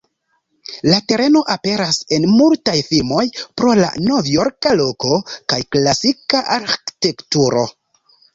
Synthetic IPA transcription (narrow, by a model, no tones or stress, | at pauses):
late̞ɾe̞no̞ʔape̞ɾase̞nmultajfilmo̞jpɾo̞la̰no̞vjo̞ɾkalo̞ko̞kajklasikaʔaɾki̥te̞ktuɾo̞̰